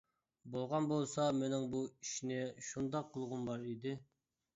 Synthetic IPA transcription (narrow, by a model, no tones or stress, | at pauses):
bolˠʁɑnbolˠsɑmenɪŋbuiʃinɪʃund̪ɑqʰːəlˠʁʊmbɑɾid̪ɪ